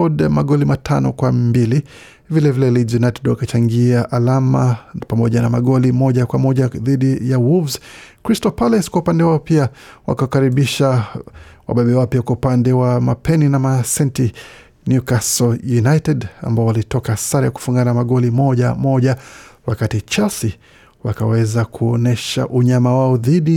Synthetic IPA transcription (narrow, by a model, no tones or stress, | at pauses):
ɔdamaɠɔlimatʰanɔkwambili | vilɛvilɛlizjunajtɛdwakat͡ʃaŋɡiaʔalamapamɔʄanamaɠɔlimɔʄakwamɔʄaðiɗijawulvzkɾistɔpalɛskwaupandɛwaɔpiawa̰kawakaɾiɓiʃa | wa̰ɓɛɓɛwaɔpiakwaupandɛwamapɛninamasɛnti | njukasɔjunajtɛda̰mbaɔwalitɔkasaɾaja̰ku̥fuŋɡanamaɠɔlimɔʄamɔʄawakatit͡ʃasi | wakawɛzakʰuɔnɛʃa̰ʔuɲamawaɔðiɗi